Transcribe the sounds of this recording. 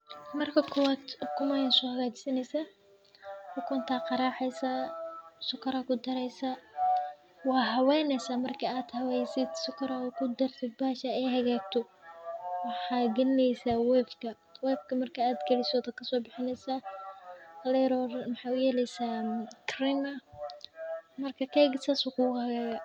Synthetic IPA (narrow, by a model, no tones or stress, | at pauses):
mɐrkʰɐkʰʊwaːd̪kʰʊmajɐnsɔhɐɣaːt͡ʃɪ̥sɐnɛjsaː | ħʊkʰʊnt̪ʰaːqɑɾaːħɛjsasʊkʰɐɾɐkʰʊd̪ɐɾɛjsa | wɑːɦɐwɛːnɛsaːmɐrkʰɐaːd̪hɐwɛːjsɪd̪sʊkʰɐɾɐkʰʊd̪ɐrt̪ɪd̪̚baːʃɐɛjɦɐɣaːɡ̚t̪ʰɔ | wɑħɑːɡɐnɛjsawɛːfkʰɐ | wɛːfkʰɐmɐrkʰɐːd̪kʰɐlɪsɔːd̪ɐkʰɐsɔːbɪħɪnɛjsa | ɐlɛɾɔrmɑħɑjʊjɛːlɛjsakʰrɪmɐ | mɐrkʰɐkʰɛːɡɪsasʊkʰʊːhɐɣaːɣɐ